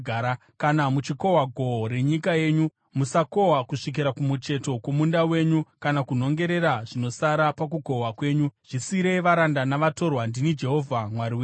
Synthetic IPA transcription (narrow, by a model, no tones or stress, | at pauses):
ɡʱaːɾa | kanamut͡ʃiko̞waɡʱo̞ɾe̞ɲikaje̞ːɲu | musako̞ɦakuʂik̬iɾakumut͡ʃe̞to̞kwomundawe̞ɲukanakuno̞ŋɡe̞ɾe̞ɾaʐino̞saɾapak̬uko̞wakwe̞ːɲuʐ̥isiɾe̞ʋaɾandanaʋato̞rwandinid͡ʒe̞ɦo̞vʱamwaɾiwe